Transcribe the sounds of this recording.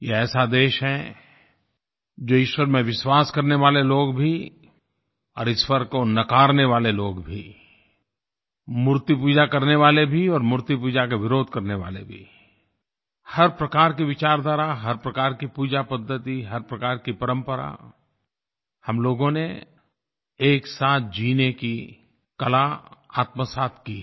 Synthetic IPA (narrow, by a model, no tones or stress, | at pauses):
jeɛːsad̪eːʃɦɛ | d͡ʒoːɪʃwəɾmẽʋɪʃwaːskɐɾneʋaːleloːɡbʱi | ɔːɾɪsfəɾkonɐkaːɾneʋaːleloːɡbʱi | mʊɾt̪ipuːd͡ʒakɐɾneʋaːlebʱiɔːɾmʊɾt̪ipuːd͡ʒakeʋɪɾoːd̪̚ʱkɐɾneʋa̰ːlḛbʱḭ | hɐɾpɾɐkaːɾkiʋɪt͡ʃaːɾd̪aːɾaɦɐɾpɾɐkaːɾkipuːd͡ʒapəd̪ʱːət̪iɦɐɾpɾɐkaːɾkipɐɾə̃mpəɾa̰ | hɐmloːɡõne | eːksaːt̪̚ʰd͡ʒiːneki | kɐlaa̰ːt̪məsaːt̪ʰkiː